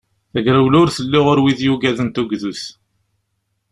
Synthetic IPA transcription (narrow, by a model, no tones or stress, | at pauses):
θæɡɾəwlʊɾθəlːɪʁoɾwiðjuɡæðənt̪uɡðuθ